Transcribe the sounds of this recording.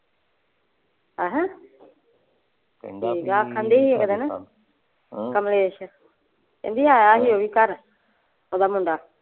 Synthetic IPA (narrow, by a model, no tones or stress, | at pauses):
aɦɛ̃ | iɡaːkʰãːnd̪eːɦiːekd̪enə | kəmleːʃə | kḛːnd̪iːaːaːɦiːoːʋiːkəɾ | oːd̪aːmʊ̃ɳɖaː